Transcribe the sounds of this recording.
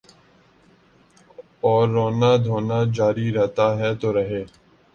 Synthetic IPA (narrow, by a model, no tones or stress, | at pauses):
ɔːɾːoːnaːd̪ʱoːnaːd͡ʒaːɾiːɾɛɦt̪aːɦɛːt̪oːɾəɦeː